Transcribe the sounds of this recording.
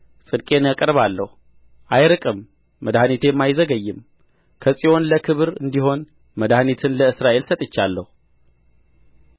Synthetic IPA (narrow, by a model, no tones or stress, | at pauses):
sʼɨd̪kʼe̞nakʼɾβalːəhu | ʔajɾɨkʼɨmː | əd̪ahnit̪ʰe̞jɛmːajzəɡəjːɨm | kʰəsʼio̞nləkʰɨβɨɾɨnd̪iɦo̞n | məd̪ahnit̪ʰɨnləɨsɾaʔe̞lsət̪ʼɨt͡ʃːalːəhu